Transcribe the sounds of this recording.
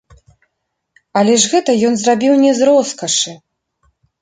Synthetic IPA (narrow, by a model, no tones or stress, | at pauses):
ɐlʲɛʐɣɛt̪ɐjɔnzrabʲiwnʲɛzrɔskɐʂɨ